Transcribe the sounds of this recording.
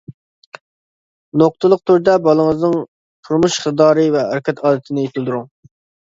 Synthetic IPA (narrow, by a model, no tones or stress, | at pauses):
noq̚t̪əlˠəq̚t̪ʰuɾd̪ɛbɑlˠəŋəznɨŋ | t̪ʰuɾmuʃχɨd̪ɑːɾɨvɛæ̰ɾɪkʲʰɛt̪ʰɑːd̪ɪt̪ʰɪnɪjet̪ʰɪlˠd̪uɾuŋ